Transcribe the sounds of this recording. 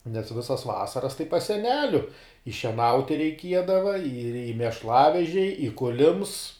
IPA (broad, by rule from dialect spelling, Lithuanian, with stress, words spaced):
nʲɛs ˈʋʲɪsɐs ˈʋɑːsɐrɐs tɐɪ pɐs sʲɛˈnʲæːlʲʊ ɪ ʃʲiɛˈnɐʊtʲɪ rʲɛɪˈkʲiɛdɐʋɐ ɪr ɪ mʲɛʃˈlˠɑːʋʲɛʒʲɛɪ ɪ ˈkʊlʲɪms